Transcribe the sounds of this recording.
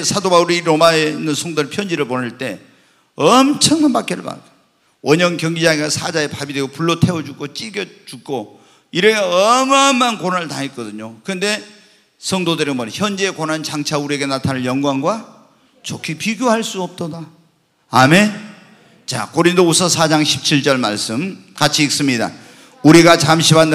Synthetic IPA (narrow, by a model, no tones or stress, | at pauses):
sʰadobauɾiɾomaeinːɯnsʰʌŋdoɾɯɭpʰjʌnd͡ʑiɾɯɭponɯɭt͈e̞ | ʌmt͡ɕʰʌŋmanpak͈ʌɭba̰ | wʔʌɲʌŋkjʌŋɡid͡ʑaɡiasʰad͡ʑaepabidwe̞ɡopuɭːotʰe̞wʌd͡ʑuk͈ot͡ɕ͈iɡjʌt͡ɕuk͈o | iɾeɡaʌmʌnmːankonnɯɭtaŋɦet̚k͈ʌdɯɲokɯnde̞ | sʰʌŋdodɯɾɯnmʌɾçjʌnd͡ʑe̞ːkonɦant͡ɕaŋt͡ɕʰauɾie̞ɡenatʰanɯɭjʌŋɡwaŋɡwa | t͡ɕokʰipiɡʲjohaɭs͈uʌp̚t͈oda | ame̞ | t͡ɕa̰koɾindousʰʌsʰad͡ʑaŋɕʰi̥p̚t͡ɕʰiɭt͡ɕ͈ʌɭma̰ɭs͈ɯmkat͡ɕʰiːk̚s͈ɯmɲida̰ | uɾiɡat͡ɕamɕʰibanː